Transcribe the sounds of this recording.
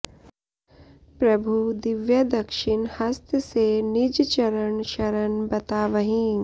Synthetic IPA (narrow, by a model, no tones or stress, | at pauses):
pɾɐbʱud̪ɪʋjɐd̪ɐkʃɪnhɐst̪ʰəsenid͡ʒt͡ʃɐɾəɳʃɐɾəɳbɐt̪aːʋɐɦĩ